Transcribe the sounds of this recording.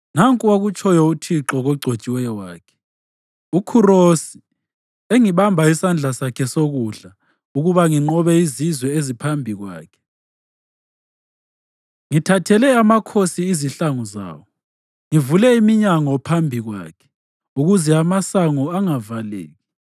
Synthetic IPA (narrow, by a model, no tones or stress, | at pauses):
naŋkʼuwaɣut͡ʃʰʼɔjɔutʰiǁɔɣɔɡ͡ǀʱot͡ʃʼiwɛjɔwaːkʰɛ̥ | ukʰurosi | eŋiβambʱaisand͡ɮʱasakʰɛsoɣuɮa | uɣuβaŋiŋ͡ǃɔβɛizizwɛezipʰambʱiɣwa̰ːkʰɛ̥ | ŋitʰatʰɛlɛamakʰosiːziɬaŋɔza̰ːwɔ | ŋivulɛimiɲaŋɔpʰambʱiɣwa̰ːkʰɛ̥ | uɣuzɛamasaŋɔaŋavalḛːɣi